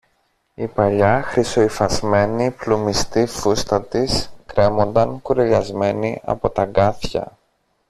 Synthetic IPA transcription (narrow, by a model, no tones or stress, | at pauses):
ipɐʎɐxɾiso̞ifɐzme̞niplumist̪ifust̪ɐt̪iskɾe̞mo̞nd̪ɐŋkuɾeʎɐzme̞niɐ̰po̞t̪ɐɡɐθçɐ̰